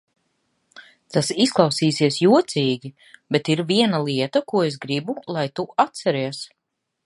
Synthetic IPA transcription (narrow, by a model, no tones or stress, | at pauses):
t̪asisklˠawsiːsiɛsjuɔt̪siːɡʲi | bet̪iɾviɛnalˠiɛt̪ɐkuɔesɡɾibulˠajt̪uat̪sɛɾiɛs